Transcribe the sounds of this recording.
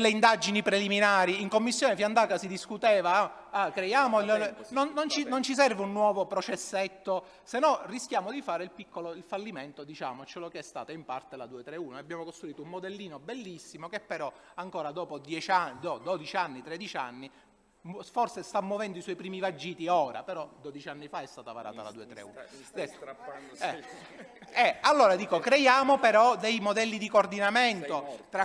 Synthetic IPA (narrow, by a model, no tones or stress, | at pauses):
lːeind̪ad͡ʒinipɾeliminaːɾiiŋkomːisːjoːnefiand̪aːkasid̪iskut̪ɛːva | akɾejaːmolnonːont͡ʃinont͡ʃis̬ɛrveunːwɔːvopɾot͡ʃɛsːɛt̪ːo | senːɔrːisk̟jaːmod̪ifaːɾeilpikːoloilfalːiment̪od̪it͡ʃa̰ːmot͡ʃolokɛst̪a̰ːt̪oimpa̰rt̪elad̪uːet̪ɾeuːnoabjaːmokost̪ɾuiːt̪oumːod̪ɛlːiːnobelːisːimokepːeɾɔ | aŋkoːɾad̪ɔːpod̪jɛt͡ʃad̪od̪od̪it͡ʃianːit̪ɾɛd̪it͡ʃa̰nːi | mfɔrsest̪amːovɛnd̪oiswɔjpɾiːmivad͡ʒːiːt̪iɔːɾa̰peɾɔd̪od̪it͡ʃanːifaɛst̪aːt̪ava̰ɾa̰ːt̪a̰la̰d̪uːet̪ɾḛṵːnd̪ɛ | ɛ | ɛalːoːɾad̪iːkokɾejaːmopeɾɔd̪ejmod̪ɛlːid̪ikord̪inamɛnt̪ot̪ɾa